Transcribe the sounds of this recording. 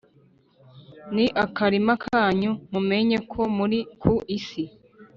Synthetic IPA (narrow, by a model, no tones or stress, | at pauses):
niʔakaɾimakʰaːɲumume̞ɲe̞kʰo̞muɾikʰuʔisi